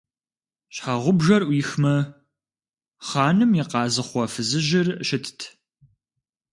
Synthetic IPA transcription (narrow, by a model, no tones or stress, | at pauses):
ɕħaʁʷʊbʒɐrʔʷiːxmɐ | χɑːnɨmjiqɑːzɨχʷɔfɨzɨʑɪrɕɪtʰtʰ